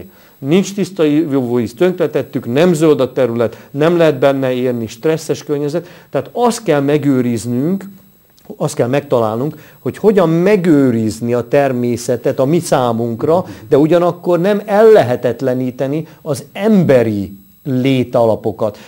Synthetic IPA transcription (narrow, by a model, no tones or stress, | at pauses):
nint͡ʃt̪ist̪ɒivovoist̪øŋkt̪lɛt̪ɛt̪ːyknɛmzøld̪ɒt̪ɛɾylɛt̪nɛmlɛɦɛd̪̚bɛnːɛeːrniʃt̪rɛsːɛʃkørɲɛzɛt̪ːɛaːt̪ɒst̪̚kɛlmɛɡøːɾiznyŋk | ɒst̪kɛlmɛk̚t̪ɒlaːlnuŋk | ho̞cho̞ɟɒmːɛɡøːɾizniɒt̪ɛrmeːsɛt̪ɛt̪ɒmisaːmuŋkrɒd̪ɛuɟɒnɒkːo̞rnɛmɛlːɛɦɛt̪ɛt̪lɛniːt̪ɛniɒzɛmbɛɾi | leːt̪ɒlɒpo̞kɒt̪